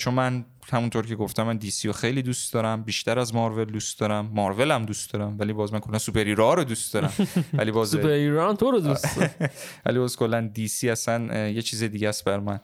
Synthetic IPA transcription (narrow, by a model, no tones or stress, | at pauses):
t͡ʃʰonmæn | hæmunt̪ʰoɾkʲʰeɡoft̪ʰæmænd̪iːsijoxe̞jliːd̪ust̪d̪ɒɾæmbiːʃt̪ʰæɾæzmɒɾve̞ld̪ust̪d̪ɒɾæmːɒɾve̞læmd̪ust̪d̪ɒɾæmvælibɒːzmænkʰo̞lːænsupʰeɾiɾoɾod̪ust̪d̪ɒɾæmæ̰libɒːzupeɾiɾɔmt̪ʰoɾed̪ussɾvæ̰libɒːzkʰo̞lːænd̪isiæsænje̞t͡ʃʰiːzed̪iɟæst̪̚bæɾmæn